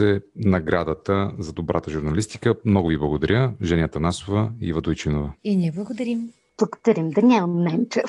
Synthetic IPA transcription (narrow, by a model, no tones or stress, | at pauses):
ɛnɐɡɾad̪ət̪əzɐd̪obɾʔa̰t̪əʒuɾnɐlist̪i̥kəmnɔɡʊviblˠɐɡod̪ɐɾʲəʒɛnʲət̪ɐnasovəḭvɐd̪ojt͡ʃinovɐinʲiɛblˠɐɡod̪ɐɾim | b̥lˠɐɡo̥d̪̥ɐɾʲimd̪ɐnʲanɛmt͡ʃɛ